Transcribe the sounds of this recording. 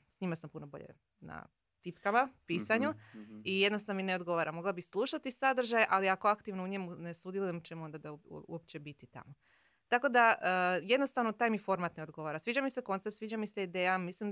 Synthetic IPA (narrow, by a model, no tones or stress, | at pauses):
sɲimasampuno̞bo̞̰ʎḛ | na̰ | t̪ipkamapiːsaɲuijed̪nost̪anomineo̞d̪ɡo̞ʋaːɾamo̞ɡlˠabislˠuːʃat̪isad̪r̩ʒajʔaliako̞akt̪iʋnouɲemunesud̪jelujemt͡ɕemo̞nd̪ad̪aṵṵop̚t͡ɕe̞bit̪it̪a̰mo | t̪ako̞d̪aəje̞d̪nost̪aʋno̞t̪aːjmifo̞ɾmat̪neo̞d̪ɡo̞ʋaːɾasʋiːd͡ʑamise̞ko̞nt̪sept̪sʋiːd͡ʑamise̞id̪eːjamislim